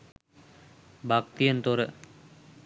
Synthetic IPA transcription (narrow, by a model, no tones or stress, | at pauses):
bʱakt̪ijənt̪oɾə